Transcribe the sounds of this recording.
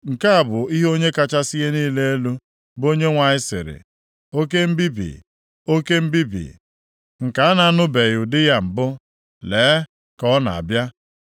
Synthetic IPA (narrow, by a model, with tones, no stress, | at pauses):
ŋ̩˨ka˦a˨bʊ˨i˦ɦo˦ɲe˦ka˦t͡ʃa˦sɪ˦ɦe˦niː˦le˦e˦lu˦ | bo˦ɲe˦ŋʷa˨ɲɪ˦sɪ̰˨ɾɪ̰˨ | o˦ke˦m̩˦bi˦bḭ˨ | o˦ke˦m̩˦bi˦bḭ˨ | ŋ̩˨ka˨˦a˦na˨a˦nʊ˦be˨ɣʊ˨dɪ˦ja˦m̩˨bʊ˦ | leː˨˦ | kɔ˦na˨a̰˨bja˦